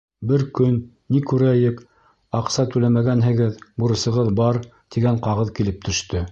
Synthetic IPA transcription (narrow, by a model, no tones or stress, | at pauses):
bɘɾkɵnː | ikʉɾæjɘk | ɑqsɑt̪ʉlæmæɡænɦɘ̆ɡɘðbuɾɤ̆sɤ̆ʁɤðbɑɾ | t̪iɡæɴqɑʁɤðkilɘp̚t̪ʰɵ̆ʃt̪ɵ